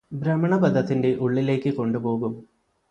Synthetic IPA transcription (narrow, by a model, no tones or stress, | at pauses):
bɾɐmɐɳɐbɐd̪ʱɐt̪ːinde̞ʔuɭːile̞ːkːɨko̞ɳɖupo̞ːɣum